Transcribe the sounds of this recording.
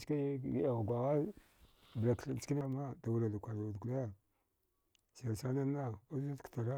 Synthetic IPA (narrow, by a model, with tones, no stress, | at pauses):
t͡ʃka˦˨a˨ɣɡʷa˨ɣa˦ | bla˨kɬt͡ʃki˦na˦ma˦da˨wu˨la˨da˨kʷa˨da˨dku˨la˦ | sa˨sa˦na˦na˦a˦a˦kta˨ɾa˦